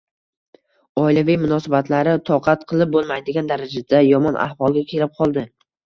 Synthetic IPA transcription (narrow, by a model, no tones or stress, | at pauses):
ɒɪlavɪjmʊnɒsabat̪laɾɪt̪ʰɒqʰɑt̪qʰɨlˠɪp̚bolˠmajd̪ɪɡʲand̪aɾad͡ʒad̪ajɒmɒnʔa̰hvɒlˠɡʲakʲʰe̞lɪp̚qʰɒlˠd̪ɪ